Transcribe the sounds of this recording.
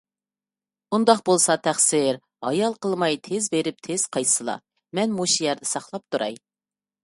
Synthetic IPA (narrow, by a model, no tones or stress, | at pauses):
und̪ɑq̚bolˠsɑt̪ʰæχsɪɾ | ɑjɑlˠqəlˠmɑjt̪ʰezbeɾɪp̚t̪ʰez̥qʰɑjsɨlˠɑ̰ | mɛnmuʃijɛɾd̪ɛsɑχlˠɑp̚t̪ʰuɾɑ̰j